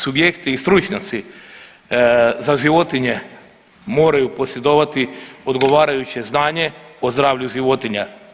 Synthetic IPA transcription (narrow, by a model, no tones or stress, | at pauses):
subjekt̪iːst̪ɾut͡ʃɲat̪si | zaʒiʋo̞t̪iɲe̞ | mo̞ːɾajupo̞sje̞d̪oːʋat̪io̞d̪ɡo̞ʋaːɾajut͡ʃe̞znaːɲe̞o̞zd̪ɾaːʋʎuʒiʋo̞t̪iɲa